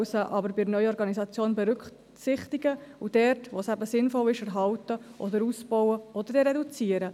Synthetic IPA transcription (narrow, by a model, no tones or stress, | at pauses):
səʔɑbəɾbɪɾnœʏəɔɾɡɑnisɑt͡sjoːnbɛɾʏk | sɪχtiɡəud̥ɛɾtʋoːsæbəsɪnfɔlɪʃɛɾɦɑwtəʔɔd̪əɾuːsb̥ɔwəɔd̥̪əɾɾɛdut͡siːəɾə